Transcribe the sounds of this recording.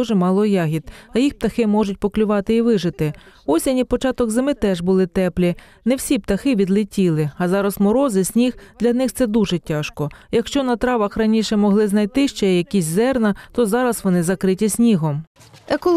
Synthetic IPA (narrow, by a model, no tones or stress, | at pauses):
uʒɛmɑlˠɔjɑɦʲid̪ɐjixp̚t̪ɐxɪmɔʒʊtʲpɔklʲʊʋɑt̪ɪiʋɪʒɪt̪ɪɔsʲɐnʲipɔt͡ʃɑt̪ɔɡzɪmɪt̪ɛʒbʊlˠɪt̪ɛplʲi | nɛwsʲip̚t̪ɐxɪʋʲid̪lʲˠɪtʲilˠɪɐzɑɾɐsmɔɾɔzɪsʲnʲixd̪lʲɐnɪxt̪sɛd̪uʒɛtʲɑʃkɔjɐkʃt͡ʃɔnɐt̪ɾɑʋɐxrɐnʲiʃɛmɔɦlˠɪznɐjt̪ɪʃt͡ʃɛjɐkʲisʲzɛrnɐt̪ɔzɑɾɐsʋɔnɪzɐkɾɪtʲisʲnʲiɦɔm | ekɔlˠ